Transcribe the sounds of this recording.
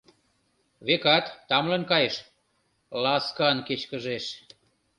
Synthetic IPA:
βekɑt̪ːɑmlɤ̆nkɑjeʃ | lɑskɑnket͡ɕkə̆ʒeʃ

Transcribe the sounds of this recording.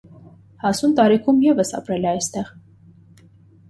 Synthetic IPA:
hɑsunt̪ɑɾikʰumjɛvəsɑ̰pɾɛlɛɑjst̪ɛʁ

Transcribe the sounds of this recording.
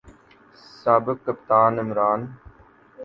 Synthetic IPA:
saːbɪkːɐpt̪aːnɪmɾaːn

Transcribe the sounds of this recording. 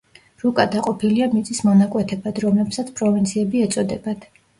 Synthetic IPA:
ɾukʼad̪aqʼɔpʰiliamit̪sʼismɔnakʼwɛt̪ʰɛbad̪ɾɔmlɛbsat̪sʰpʼɾɔvint̪sʰiɛbiɛt̪sʼɔd̪ɛbad̪̥

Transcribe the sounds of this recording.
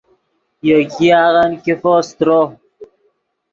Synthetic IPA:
jokiaːɣankifost̪ɾo

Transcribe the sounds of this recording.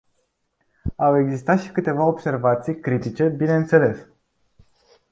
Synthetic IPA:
awe̞ɡzist̪at̪ʃi̥kɨt̪e̞vaobse̞rvat̪sijkɾit̪it͡ʃe̞bine̞ɨnt̪se̞le̞s

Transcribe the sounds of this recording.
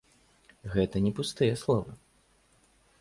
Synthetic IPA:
ɣɛt̪ɐnʲɛpust̪ɨjɐslˠɔvɨ̰

